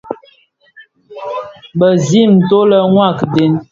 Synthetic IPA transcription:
bə˨zi˦˨m̩˨to˦lə˦ŋwa˦˨kde˦n

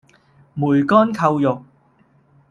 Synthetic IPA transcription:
muː˨˩jkɔː˥nkʰɐ˧wjʊ˨k̚

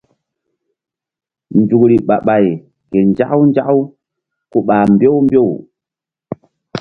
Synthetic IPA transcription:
nd͡ʒu˨kɾi˨ɓa˨ɓa˨j | ke˨nd͡ʒa˦ʔwnd͡ʒa˦ʔw | ku˦ɓaː˨mbjo˦wmbo˦˨w

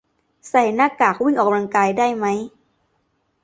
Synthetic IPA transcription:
sa˨˩˦jnaː˧˥˩kaː˨˩k̚wi˥˩ŋʔɔː˨˩ka˧mla˧ŋkaː˧jdaː˥˩jma˦˥j

